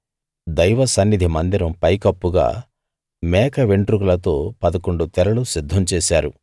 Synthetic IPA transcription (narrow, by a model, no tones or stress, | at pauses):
d̪ɐjʋɐsɐnːid̪ʱimɐnd̪iɾɐmpɐjkɐpːuɡa̰ː | mɛːkɐʋeɳʈɾukulɐt̪o̞ːpɐd̪ɐko̞ɳɖut̪ɛɾɐlusid̪ʱːɐmt͡ʃɛːsaːɾu